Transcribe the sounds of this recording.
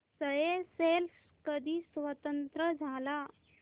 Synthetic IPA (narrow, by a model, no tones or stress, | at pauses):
səjeseːls | kəd̪isʋət̪ə̃nt̪ɾəd͡ʒʱaːla